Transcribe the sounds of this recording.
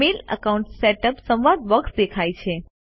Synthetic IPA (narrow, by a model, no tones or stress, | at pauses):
elə̰kauɳʈseʈəpsə̃ʋad̪ʋəkt̪d̪ekʰajt͡ʃʰe